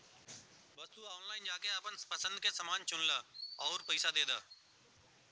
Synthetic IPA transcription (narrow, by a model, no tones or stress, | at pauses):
bɐst̪uɔːnlaːɪnd͡ʒaːkeɐpənpəsə̃nd̪kesəmaːnt͡ʃʊnlaːɔːɾpəɪsad̪eːd̪a̰ː